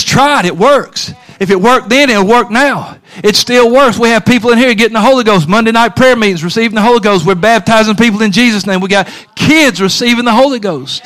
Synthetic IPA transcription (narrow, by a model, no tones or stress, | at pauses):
tʰɹ̥aɪɾɨt̚wɜ˞ks | ɨfɨt̚wɜ˞k̚ðɨ̃nɨɾl̩ˠwɜ˞k̚naʊ | ɨtstɪlˠwɜ˞kswiɨv̥pipl̩ˠɨ̃nhiɹɡɛɾɪ̃ŋ̩ðəɦoʊlˠiɡoʊs̬t̚mʌ̃ndeɪnaɪt̚pʰɹ̥ɛɹmiɾɪ̃ŋzɹɨsivɪ̃ŋðəɦoʊlˠiɡoʊst̚wɪɹbæb̚tʰaɪzɪ̃ŋpipl̩ˠɨ̃nd͡ʒizɨsnẽɪ̃mwiɡɑt̚ | kʰɪdzɹɨsivɪ̃ŋðəɦoʊlˠiɡoʊst̚